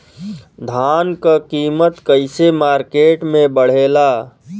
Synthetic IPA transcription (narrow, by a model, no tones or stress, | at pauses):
d̪ʱankəkiːmət̪kəɪsemaːɾkeʈmẽbəɽ̤ela